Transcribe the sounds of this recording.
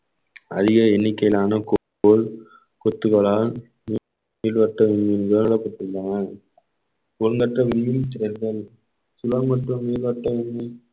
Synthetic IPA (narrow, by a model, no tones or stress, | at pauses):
ɐ̰ðɪɣɐɛnːɪkːɐjlaːnɐko | oːɭ | kɔt̪ːɯɣɐɭaːl | ni | miːlʋɐʈːɐʋɪɳmɪnɡɐɭnɪɭɐpːɐʈːɯɳɖɐnɐ | kʊlŋɡɐʈːɐʋɪɳmɪnt̪ɪɾɐɪɾðɐɭ | sʊlɐmmɐʈrɯmːiːlʋɐʈːɐʋɪɳmi